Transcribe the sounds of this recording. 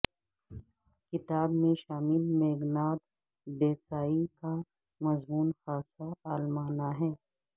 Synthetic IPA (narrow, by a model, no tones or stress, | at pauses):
kɪt̪aːbmẽʃaːmɪlmeːɡnaːd̪ | d̪eːsaːika | mɐzmuːnxaːsaaːlmaːnaɦɛ̃ː